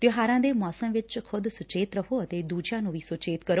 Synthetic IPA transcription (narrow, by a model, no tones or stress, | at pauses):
t̪jõɦaːɾãːd̪emɔːsəmʋɪt͡ʃkʰʊd̪sʊt͡ʃeːt̪ɾəɦʰoət̪eːd̪uːd͡ʒãːnũːʋiːsʊt͡ʃeːt̪kəɾo